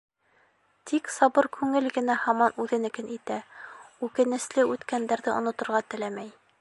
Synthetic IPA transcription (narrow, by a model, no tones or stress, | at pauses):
t̪ʰiksɑbɤɾkʰʉŋɘlɡɘ̆næhɑmɑnʉðɘ̆nɘ̆kɘnʔit̪æʉkɘ̆nɘ̆slɘʉt̪kænd̪æɾðɘʔŏ̰nŏt̪ŏɾʁɑt̪ɘ̆læmæj